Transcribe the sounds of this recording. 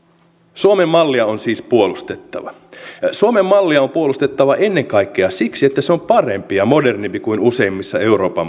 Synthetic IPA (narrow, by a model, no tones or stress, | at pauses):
suome̞mːɑlːiɑo̞nsiːspuo̞lust̪et̪ːɑ̰ʋɑ̰ | suome̞mːɑlːiɑo̞mpuo̞lust̪e̞t̪ːɑʋɑʔe̞nːe̞ŋkɑjkːeɑsiksiet̪ːæseo̞mpɑre̞mpijɑmo̞de̞rnimpikuinuse̞imːisːɑe̞uɾo̞ːpɑm